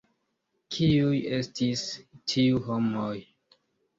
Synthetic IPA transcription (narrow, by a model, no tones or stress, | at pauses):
kʰiuje̞stistʰiuɦomoj